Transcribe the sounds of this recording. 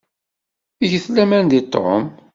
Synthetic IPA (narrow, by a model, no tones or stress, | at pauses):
iʝəθlæmænd̪it̪ˤːm